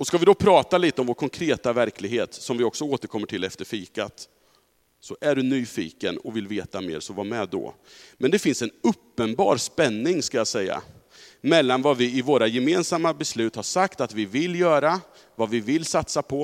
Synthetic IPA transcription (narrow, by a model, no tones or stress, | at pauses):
ɔskavɪd̪ɔpʰɾɑːt̪aliːt̪əɔmvoːɾkʰɔŋkʰɾeːt̪avæɾkʰlɪɡheːt̪sɔmvɪɔksɔoːt̪əɾkʰɔmːəʈʰɪlɛft̪əɾfiːkat̪ | sɔʔæɖɵnyːfḭːkənɔvɪlveːt̪amḛːɾsɔvaːmɛd̪ɔ̰ | mʔɛnd̪ɛfɪnsɛnɵpːənbɑ̰ːɾspɛnːɪŋskajasɛjːa̰ | mɛlːanvavɪɪvoːɾajɛmeːnsamːabɛslʉ̟ːt̪haʂakt̪at̪vɪvɪlːjœːɾa | vavɪvɪlːsat̪sapʰɔ